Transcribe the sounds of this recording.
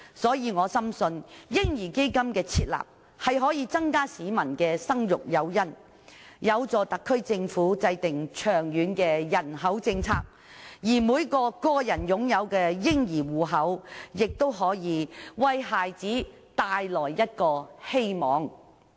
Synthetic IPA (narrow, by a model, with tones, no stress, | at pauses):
sɔː˨˥jiː˧ŋɔː˨˧sɐ˥msɵ˧njɪ˥ŋjiː˨˩ke˥jkɐ˥mkɛː˧t͡sʰiː˧˥t̚la̰ː˨˩p̚ | hɐ˨jɦɔː˨˥jiː˨˧t͡sɐ˥ŋkaː˥siː˨˥mɐ˨˩nkɛː˧sɐ˥ŋjʊ˨k̚jɐ˨˧wjɐ˥n | jɐ˨˧wt͡sɔː˨˧t̪ɐ˨kʰːɵ˥ɥt͡sɪ˧ŋfuː˨˥t͡sɐ˧jt̪ɪ˨˩ŋt͡ʃʰœː˨˩ŋjyː˨˧˥nkɛː˧jɐ˨˩nɦɐ˨˥wt͡sɪ˧ŋt͡sʰa̰ː˧˥k̚ | jiː˨˩muː˨˧˥jkɔː˧kɔː˧jɐ˨˩njʊ˨˥ŋjɐ˨˧wkɛː˧jɪ˥ŋjiː˨˩wuː˨˩ɦɐ˨˥wjɪ˨k̚t̪o˥wɦɔː˨˥jiː˨˧wɐ˧jɦaː˨jt͡siː˨˥ | t̪aː˨jlɔː˨˩jjɐ˥t̚kɔː˧he˥jmɔː˨˧˥ŋ